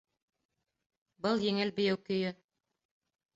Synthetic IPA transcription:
bɤlˠjɘ̆ŋɘlbɘ̆jæwkɵ̆jɵ

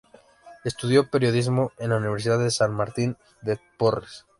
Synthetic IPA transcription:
e̞st̪uðjo̞pe̞ɾjo̞ðizmo̞e̞nlauniβeɾsiðaðesanmaɾt̪in | d̪epores

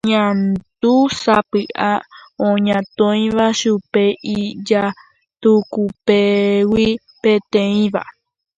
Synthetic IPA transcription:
ɲãnt̪usapɨʔaõɲãt̪õĩβaʃupeid͡ʒa | t̪ukupewi | pẽt̪ẽĩβa̰

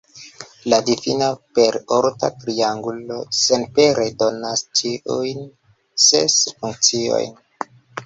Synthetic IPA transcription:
ladifinape̞ɾoɾta̰tɾiaŋɡulo̞senpeɾedo̞nastiujn | sḛsfuŋk̚t͡sio̰jn

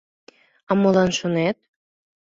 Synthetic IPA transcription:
ɑmolɑnʃonet̪̚

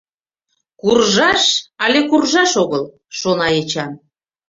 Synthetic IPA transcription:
kurʒɑʃɑlʲekurʒɑʃoɣəl | ʃonɑjet͡ɕɑn

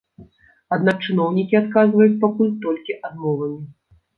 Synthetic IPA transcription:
ad̪nak̚t͡ʂɨnɔwnʲikʲiat̪̚kazvɐjut͡sʲpakulʲt̪ɔlʲkʲiʔad̪mɔvɐmʲi

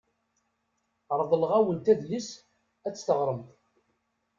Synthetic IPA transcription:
ɾˤðˤəlʁæwənt̪æðlis | æt͡sːθəʁɾˤəmt̪

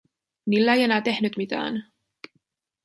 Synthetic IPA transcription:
nilːæejenæːt̪e̞hnyt̪mit̪æ̰ːn

